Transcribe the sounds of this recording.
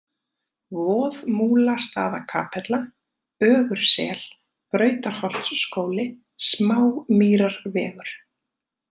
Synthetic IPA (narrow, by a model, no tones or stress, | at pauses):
vɔːðmuːlast̪a̰ːðakʰa̰ːpʰɛt̪la | œːɣʏɾ̥sɛ̰ːl̥ | pɾœːɥt̪aɾ̥hɔl̥t̪sskoːwlɪ | smaːwmiːɾaɾvɛːɣʏɾ̥